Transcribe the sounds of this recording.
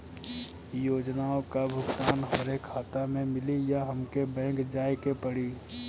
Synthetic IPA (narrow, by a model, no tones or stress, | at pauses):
joːd͡ʒnaːõkabʱʊɡt̪aːnɦəɾekʰaːt̪amẽmɪlijaɦɐmkebɛ̃ːŋkd͡ʒaːekepəɽiː